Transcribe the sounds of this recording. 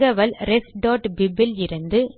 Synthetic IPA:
ɣɐʋɐlɾɛsɖoːʈbɪbɪlɪɾɯnd̪ɯ

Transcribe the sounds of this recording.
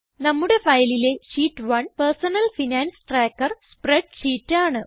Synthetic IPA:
nɐmːuɽe̞fɐjɐlile̞ɕiːʈːʋɐnpersɐnɐlfinaːnsʈraːkːɐrspreɖʂiːtːaːɳɨ

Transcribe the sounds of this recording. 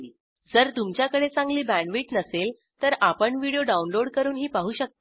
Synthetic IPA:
d͡zəɾt̪umt͡ɕjakəɽet͡sãŋɡliːbæ̃ɳɖʋiːʈnəsel | t̪əɾapəɳʋiɽijoɖaunloɽkəɾuːnɦiːpaɦuːɕək̚t̪

